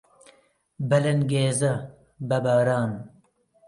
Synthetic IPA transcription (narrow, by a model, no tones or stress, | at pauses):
bɐlɐnɡeːzɐ | bɐbaːɾaːn